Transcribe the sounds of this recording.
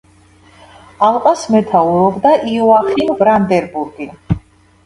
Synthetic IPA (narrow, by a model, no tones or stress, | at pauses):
alˠqʼasmɛt̪ʰauɾɔbd̪aʔiɔaχinvɾand̪ɛɾbuɾɡi